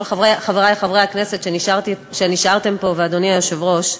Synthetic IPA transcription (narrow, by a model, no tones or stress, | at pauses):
laveχaveʁaleχavʁejhakne̞set̪ʃniʃʁt̪iʃeniʃaʁt̪e̞mpo̞vead̪o̞niajoʃevʁo̞ʃ